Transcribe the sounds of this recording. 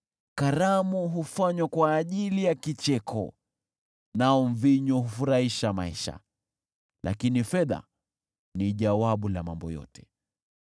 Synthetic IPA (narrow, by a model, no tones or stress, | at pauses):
kaɾamuɦufaɲwakwaːʄilijakit͡ʃɛkʰɔ̰ | naɔm̩viɲɔɦufuɾaiʃamaiʃa̰ | la̰kinifɛða̰ | niʄawaɓulamambɔ̰jɔ̰tɛ̥